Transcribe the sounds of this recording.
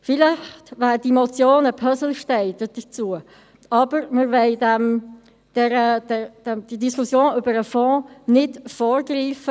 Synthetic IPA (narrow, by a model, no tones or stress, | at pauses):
fɪlɪxtʋæːɾd̥imɔt͡sjoːnəpʰœzəl̩ʃtɛɪd̥əd̥ət͡suə | ɑb̥əɾməɾʋɛɪdɛm | d̥ɛɾəd̥ɛd̥ɛmd̥idiskʰusjoːnʏbəɾəfɔ̃ːnɪdfɔːɾɡriːfə